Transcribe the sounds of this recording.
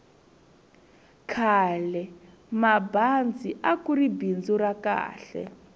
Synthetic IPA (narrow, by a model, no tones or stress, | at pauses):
kʰaːlɛ | maband͡ziʔakuribind͡zuraka̰ːɬɛ̰